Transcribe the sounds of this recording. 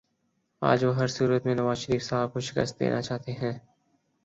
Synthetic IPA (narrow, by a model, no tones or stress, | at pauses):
a̰ːd͡ʒʋoɦɐɾsuːɾət̪mẽnɐʋaːzʃəɾiːfsaːb̚koʃɪ̥kə̰st̪̚d̪ḛːnʔat͡ʃaːt̪eɦɛ̃ː